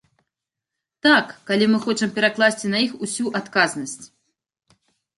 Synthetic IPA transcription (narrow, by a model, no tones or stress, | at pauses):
t̪akːalʲimɨxɔt͡ʂɐmpʲɛɾaklˠasʲt͡sʲinɐixusʲuʔat̪kaznɐsʲt͡sʲ